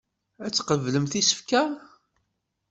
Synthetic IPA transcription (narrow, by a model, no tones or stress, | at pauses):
æt͡sːqəvləmθisə̥fkæ